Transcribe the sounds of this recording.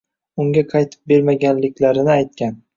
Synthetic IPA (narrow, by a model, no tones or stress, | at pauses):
ʊŋɡʲaqʰɑjt̪ʰɪ̥p̚be̞ɾmaɡʲanlɪkʲlaɾɪnɪajt̪̚kʲan